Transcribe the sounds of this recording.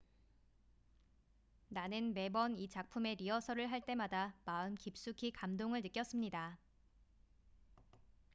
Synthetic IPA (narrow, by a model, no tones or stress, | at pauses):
nanɯnme̞bʌnit͡ɕak̚pʰume̞ɾiʌsʰʌɾɯɭɦaɭt͈e̞madamaɯnkip̚s͈ukʰikamdoŋɯɭnɯk͈jʌs͈ɯmɲida